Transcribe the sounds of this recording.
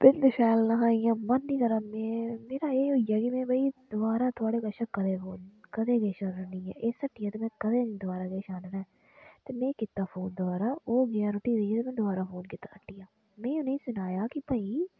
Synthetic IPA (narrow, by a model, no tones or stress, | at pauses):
pɪnd̪ɪʃɛːlnaːɦaːĩjãːmənːĩːkəɾaːmẽːmeːɾaːeːɦoːijaːkimɛ̃ːbəid̪ʊbaːɾaːt̪ʰʊaːɽeːkəʃãːkəd̪eːfʰoːnkəd̪eːɡeːʃaːnanɪ̃ːɛ̰ːʔeːsəʈʰːɪːjãːt̪eːmɛ̃ːkəd̪eːd̪ʊbaːɾaːɡeːʃaːnːɾɛː | t̪eːmɛ̃ːkɪt̪ːaːpʰoːnd̪ʊbaːɾaːoːɡeaːɾʊʈːiːd̪eijeːt̪eːmɛ̃ːd̪ʊbaːɾaːfʰoːnkɪt̪ːaːsəʈːijãː | mɛ̃ːʊneːĩːsʊnaːjaːkɪpəːiː